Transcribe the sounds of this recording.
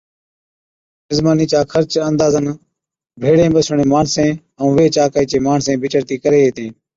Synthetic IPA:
ɪzmaːniːt͡ʃaːkʰəɾt͡ʃənd̪aːzən | bʱeːɽẽːbəsɳeːmaːɳsẽː | əũːʋeːt͡ʃaːkaːiːt͡ʃeːmaːɳsẽːbʱɪt͡ʃəɾt̪iːkəɾeːɦeːt̪ẽː

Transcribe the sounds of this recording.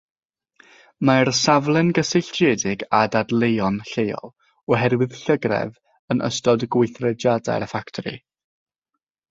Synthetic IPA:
marsavlˠɛnɡəsɪɬt͡ʃeːdɪɡadadlˠejɔnɬejɔ̰lˠ | ɔɦɛɾwɪðɬəɡrɛ̰v | ənʔə̰stɔdɡwɪjθrɛd͡ʒjada̰faktʰɔɾḭ

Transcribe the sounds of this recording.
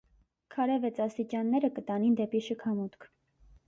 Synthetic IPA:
kʰɑɾɛvɛt͡sɑst̪it͡ʃɑnːɛɾəkət̪ɑnind̪ɛpiʃəkʰɑmut̪kʰ

